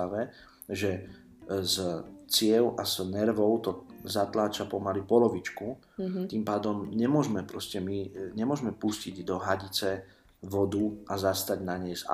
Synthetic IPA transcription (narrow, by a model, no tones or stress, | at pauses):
aʋɛ | ʒɛ | zt͡sɪɛʊʔaz̥nɛɾʋɔʊt̪ɔzat̪laːt͡ʃapɔmalipɔlɔʋit͡ʃku | t̪impaːd̪ɔmɲɛmʊɔʒmɛpɾɔscɛmiɲɛmʊɔʒmɛpusciɟd̪ɔɦaɟit͡sɛ | ʋɔd̪uazast̪aɟnaɲɛjza̰